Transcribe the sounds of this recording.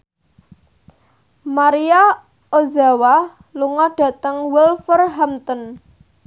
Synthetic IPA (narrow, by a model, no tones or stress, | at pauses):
maɾia | ozawa | luŋɔɖ̥ä̤t̪əŋwilfərɦamt̪ɔn